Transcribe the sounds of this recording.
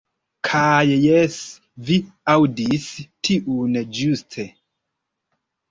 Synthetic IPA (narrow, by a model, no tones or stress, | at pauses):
kʰajjɛs | viawdistʰiʔuned͡ʒustʰe